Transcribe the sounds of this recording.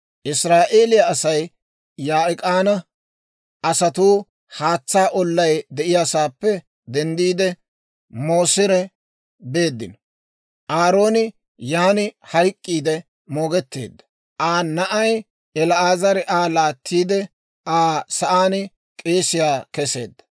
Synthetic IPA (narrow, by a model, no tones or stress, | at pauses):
ʔɪsɾaːʔe̞ːlɪjɐɐsɐj | jaːɪkʼaːnɐ | ɐsɐt̪uː | haːt͡sːaːʔɔlːɐjd̪ɛʔɪjaːsaːpːɛ | d̪ɛnd̪iːd̪ɛ | mo̞ːsɪɾɛ | be̞ːd̪ːɪ̰n | ʔaːɾo̞ːnɪ | jaːnɪhɐjkʼːiːd̪ɛ | mo̞ːɡɛt̪ːḛːd̪ːɐ̥ | ʔaːnɐʔɐj | ɛlɐaːzɐɾɛʔaːlaːt̪ʰːiːd̪ɛ | ʔaːsɐʔaːnɪ | kʼe̞ːsɪjaːkɛse̞̰ːd̪ːɐ̥